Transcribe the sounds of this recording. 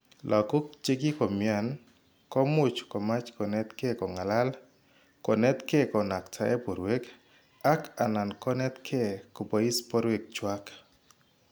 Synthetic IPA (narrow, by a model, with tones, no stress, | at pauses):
lʔa˨ko˦kt͡ʃe˦ɡi˦kɔ˨mja˨n | kɔ˦mʊ˨t͡ʃkɔ˨ma˦t͡ʃkɔ˨nɛ˦t̪ke˦kɔ˨ŋa˨la˦l | kɔ˨nɛ˦t̪ke˦kɔ˨na˨ktʰa˨ɛ˦po˨ɾwe˦k | a˦ka˨na˨nkɔ˦nɛ˦t̪kʰe˦kɔ˨bo˨˦i˦spɔ˦ɾwe˦k̚t͡ʃwa˦k